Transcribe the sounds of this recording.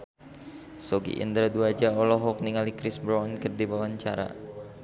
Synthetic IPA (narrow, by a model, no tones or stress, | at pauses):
sɔɡḭʔḭnd̪ɾaduad͡ʒaɔlɔɦɔk̚niŋalikɾɪsbɾɔnkərdibawaɲt͡ʃaɾa̰